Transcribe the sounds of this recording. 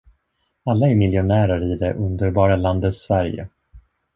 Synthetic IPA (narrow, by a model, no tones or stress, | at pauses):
alːaɛɾmɪljʊnæːɾaɾɪd̪ɛʔɵnd̪əɾbɑːɾaland̪ət̪svæɾjə̰